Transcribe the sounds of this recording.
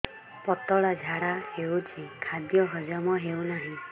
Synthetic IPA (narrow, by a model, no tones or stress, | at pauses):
pɔt̪ɔɽɔd͡ʒʱaɽahewt͡ʃʰikʰad̪jɔɦɔd͡ʒɔmɔɦewnaɦĩ